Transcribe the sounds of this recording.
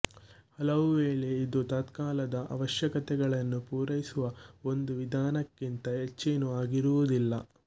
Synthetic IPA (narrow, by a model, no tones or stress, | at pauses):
hɐlɐʋuʋeːɭe̞id̪ut̪aːt̪kaːlɐd̪ɐʔɐ̰ʋɐʃjɐkɐt̪ɛɡɐɭɐnːupuːɾɐjisuʋɐo̞nd̪uʋid̪ʱaːnɐkːint̪ɐɦet͡ʃːeːnuaːɡiɾuʋud̪ilːɐ